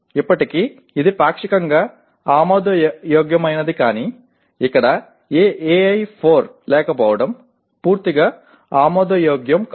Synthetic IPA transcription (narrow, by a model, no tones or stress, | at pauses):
ipːɐʈiki | id̪ipaːkʂikɐŋɡɐ | aːmoːd̪ɐjoːɡjɐmɐjnɐd̪ikaːni | ikːɐɽɐ | eːʔeɐjpʰoːɾleːkɐpɐːʋɐɽɐm | puːɾt̪iɡɐ | aːmoːd̪ɐjoːɡjɐmk